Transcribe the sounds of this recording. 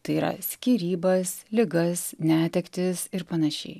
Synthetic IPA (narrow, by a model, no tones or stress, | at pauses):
t̪ɐɪiːɾɐ̰sʲkʲiːɾʲiːbɐslʲɪɡɐsnʲæːt̪ʲɛkt̪ʲɪsɪɾpɐnɐʃʲɛ̰ɪ